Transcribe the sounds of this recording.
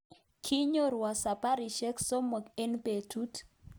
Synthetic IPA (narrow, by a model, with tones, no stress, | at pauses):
kʰi˦ɲo˦ɾwa˨sa˨pa˦ɾi˨ʃɛ˦kso˦mo˨ke˦npe˨tʰu˦t